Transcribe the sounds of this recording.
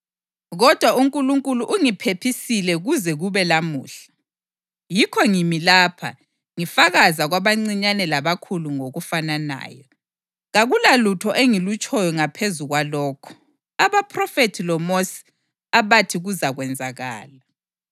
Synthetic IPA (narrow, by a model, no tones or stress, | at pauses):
ɣɔd̥ʱwauŋkʼuluŋkʼuluʔuŋipʰepʰisilɛɣuzɛɣuβɛlamuːɬḁ | jikʰɔŋimilapʰa̰ | ŋifaɣazaɣwaβaŋ͡ǀiɲanɛlaβakʰuluŋoɣufanana̰ːjɔ | ɣaɣulalutʰɔʔeŋilut͡ʃʼɔjɔŋapʰezuɣwalɔːkʰɔ̥ | aβapʰʼrɔfetʰilɔmosi̥ | aβatʰiɣuzaɣwɛnd͡zʱaɣa̰ːla